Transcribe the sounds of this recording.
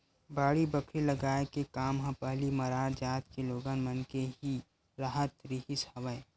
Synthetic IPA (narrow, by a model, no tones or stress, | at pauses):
baːɽibəkʰɾilɐɡaːekekaːmɦɐ̃pəɦlimɐɾaːɾd͡ʒaːt̪keloːɡaːnmɐnkeɦi | ɾaɦət̪ɾiɦishɐʋəe